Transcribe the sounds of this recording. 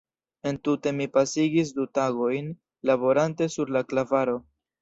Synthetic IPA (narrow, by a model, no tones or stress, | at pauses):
e̞ntute̞mipasiɡis̬dutaɡo̞jn | labo̞ɾante̞suɾlaklavaɾo̞